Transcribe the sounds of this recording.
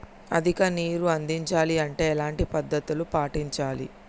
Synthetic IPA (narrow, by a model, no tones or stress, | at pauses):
ɐ̰d̪ʱikɐniːɾuɐnd̪iɲt͡ʃaːliɐɳʈe̞ːɛlaːɳʈipɐd̪ːɐt̪ulupaːʈiɲt͡ʃaːlḭ